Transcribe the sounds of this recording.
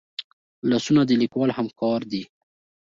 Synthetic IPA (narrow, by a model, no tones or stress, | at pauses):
lɑsunad̪əlikwɑlhamkɑɾd̪i